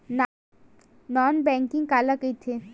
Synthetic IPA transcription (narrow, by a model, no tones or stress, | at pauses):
nɔːnbɛ̃ːŋkɪ̃ŋɡkaːlakəjt̪ʰe